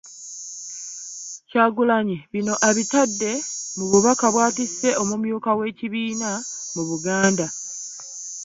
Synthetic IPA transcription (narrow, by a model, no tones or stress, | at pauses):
caːɡulaɲiβino̞ʔeβitadːe̞muβuβakaβwaːtise̞o̞mumjuːkawe̞ːciβiːnamuβuɡaːnda